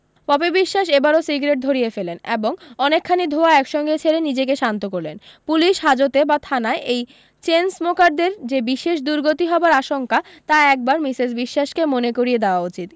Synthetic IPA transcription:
pɔbebiʃːaʃebaɾosiɡɾeʈ̚d̪ʱoɾijefeleneboŋɔnekʰːanid̪ʱoaɛkʃɔŋɡet͡ɕʰeɾenid͡ʑekeʃant̪okoɾlḛnpuliʃɦad͡ʑot̪ebat̪ʰanaeʔej | t͡ɕensmokaɖd̪eɾd͡ʑebiʃeʃ̬d̪uɾɡot̪iɦɔbaɾaʃoŋka | t̪aɛk̚baɾmisezbiʃːaʃkemonekoɾijed̪eoaut͡ɕit̪

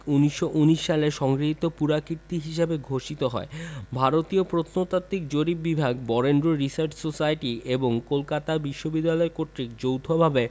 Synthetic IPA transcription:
uniʃːoʔuniʃːaleʃɔŋɡɾiɦit̪ːopuɾakiɾt̪iɦiʃebeɡʱoʃit̪oɦɔ̰ebʱaɾot̪iopɾot̪ʰnot̪at̪ːik̚d͡ʑoɾibibʱaɡbɔɾenɖɾoɾisaɾt͡ɕʰsosajʈieboŋkolkat̪abiʃːobid̪ːalɔekoʈɾik̚d͡ʑowt̪ʰobʱabe

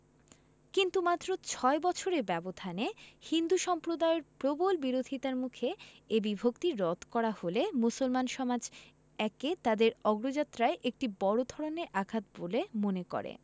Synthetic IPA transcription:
kint̪umat̪ːɾot͡ɕʰɔebɔt͡ɕʰoɾebɛbod̪ʱanehind̪uʃɔmpɾod̪aoɾpɾobolbiɾod̪ʱit̪aɾmukʰeebibʱokt̪iɾɔt̪kɔɾaholemusolmanʃɔmad͡ʑ | ɛket̪ad̪eɾɔɡɾod͡ʑat̪ːɾaeʔek̚ʈibɔɽod̪ʱɔɽoneʔaɡʱat̪̚bolemonekɔ̰ɾḛ

